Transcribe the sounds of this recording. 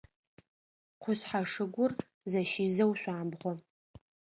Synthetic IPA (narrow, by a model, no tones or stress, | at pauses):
qʷʰʊɕħaʂɨɡʷʊr | zɐʃiːzɐwɕʷaːmbʁʷɔ